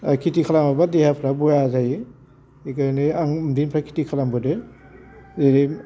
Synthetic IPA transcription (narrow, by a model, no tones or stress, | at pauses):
kʰitikʰalamabadehapʰɾabɔjazaji | ikajniaŋmdinpʰɾakʰi̥tikʰalambɯde | zeɾi